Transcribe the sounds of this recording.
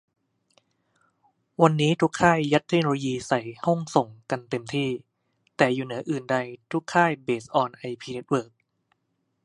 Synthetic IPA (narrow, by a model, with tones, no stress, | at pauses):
wa˧nːiː˦˥t̪ʰu˦˥kʰːaː˥˩jːa˦˥t̪ʰːe˦˥k̚no˧lo˧jiː˧sa˨˩jhɔ˥˩ŋso˨˩ŋka˧nt̪e˧mt̪ʰiː˥˩ | t̪ɛː˨˩juː˨˩nɯ˩˦ɐʔɯː˨˩nda˧jt̪ʰu˦˥kʰːaː˥˩jbeː˨˩sʔɔː˧nʔa˧jpʰiː˧ne˦˥t̪̚wɤː˥˩k̚